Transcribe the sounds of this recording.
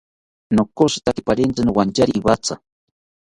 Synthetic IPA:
nokosi̥t̪ak̪ipaɾent͡sanowant͡ʃaɾiːbat͡sa

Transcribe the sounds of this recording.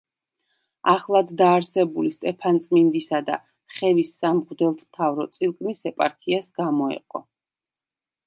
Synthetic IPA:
aχlˠad̪ːaːɾsɛbulist̪ʼɛpʰant̪sʼmind̪isad̪a̰ | χɛvisːamʁud̪ɛlˠt̪ʰmt̪ʰavɾɔt̪sʼilˠkʼnisɛpʼaɾkʰiasɡ̥amɔɛ̰qʼɔ̰

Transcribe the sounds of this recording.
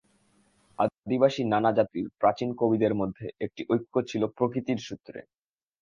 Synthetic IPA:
a̰d̪ibaʃinanad͡ʑat̪iɾpɾat͡ɕinkobid̪eɾmod̪ʱːeʔek̚ʈiʔojkʰːot͡ɕʰilopɾokɾit̪iɾʃut̪ːɾḛ

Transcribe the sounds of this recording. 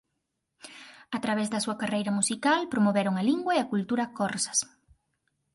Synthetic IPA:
ɐt̪ɾaβ̞ɛzðɐsuɐkarejɾɐmusikalpɾomoβeɾoŋɐliŋɡwɐeɐkult̪uɾɐkɔɾsɐ̥s

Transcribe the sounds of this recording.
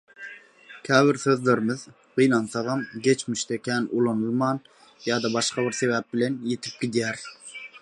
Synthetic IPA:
kʲʰæːvɪɾsøðleɾɪmɪð | qʰijnɑnsɑʁɑmɡʲet͡ʃmiʃt̪ɛkʲʰænulˠɑnulˠmɑn | jɑːd̪ɑbɑʃqɑbɪɾsevæp̚bɪlenjet̪ʰi̥p̚ɡʲid̪jæɾ

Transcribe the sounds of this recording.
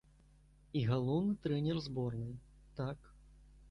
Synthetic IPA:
iɣalˠɔwnɨt̪ɾɛnʲɛrzbɔrnɨ | t̪ak

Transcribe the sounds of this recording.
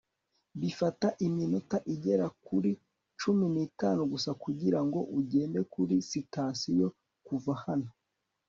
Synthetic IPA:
βifataʔiminotaʔiɟe̞ɾakuɾi | t͡ʃuminiːtaːnuɡusakuɟiɾaŋɡo̞ʔuɟe̞ːnde̞kuɾisitaːsijo̞ | kuvahano

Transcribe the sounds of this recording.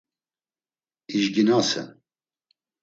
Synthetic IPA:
iʒɡinɑːsɛ̰n

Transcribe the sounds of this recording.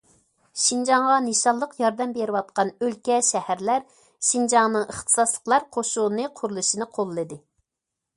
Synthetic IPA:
ʃind͡ʒɑŋʁɑneʃɑlˠːəqjɑɾd̪ɛmbeɾɨwɑt̪̚qʰɑnølkʲɛʃɛhæɾlæɾ | ʃind͡ʒɑŋnɨŋəχt̪ʰɨ̥sɑslˠə̥qlˠɑɾqʰoʃunɨqʰʊɾlˠɨʃinɨqʰolˠːɨd̪ɨ

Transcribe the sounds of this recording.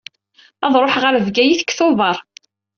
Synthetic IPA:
ɑðˤɾˤoħʁəɾvɡæjiθə̥kːθoðˤɑɾˤ

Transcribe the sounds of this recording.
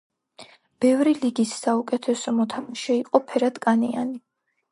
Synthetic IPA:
b̥ɛvɾiliɡisːaukʼɛt̪ʰɛsɔmɔt̪ʰamaʃɛiqʼɔpʰɛɾad̪kʼanḭa̰ni

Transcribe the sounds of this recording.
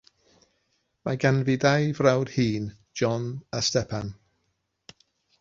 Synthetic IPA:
maɡanvɪdajvrawd̥hiːn | d͡ʒɔnastɛpʰan

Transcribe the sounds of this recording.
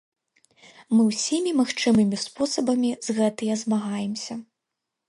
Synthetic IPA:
mɨwsʲimʲimaxt͡ʂɨmɨmʲispɔsɐbɐmʲizɣɛt̪ɨjɐzmaɣajɛmsʲɐ

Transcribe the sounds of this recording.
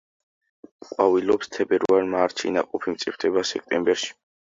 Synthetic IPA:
qʼwavilɔpst̪ʰɛbɛɾaɾmaɾt̪ʃḭna̰qʼɔpʰimt̪sʼipʰt̪ʰɛbasɛk̚ʰt̪ʼɛmbɛɾʃi̥

